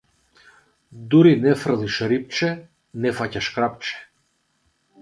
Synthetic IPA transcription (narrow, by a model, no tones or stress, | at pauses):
d̪uɾinɛfrlˠiʃɾip̚t͡ʃɛ | nɛfacaʃkɾap̚t͡ʃɛ̥